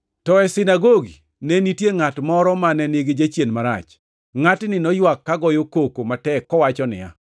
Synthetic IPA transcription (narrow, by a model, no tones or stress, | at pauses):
tɔɛsɪnaɡoɡi | nɛnitjeŋatmɔɾɔmanɛnjeɡed͡ʒat͡ʃjenmaɾa̰t͡ʃ | ŋatnɪnɔjwakːaɡɔjokokomatɛkːɔwat͡ʃɔnɪ̰ja̰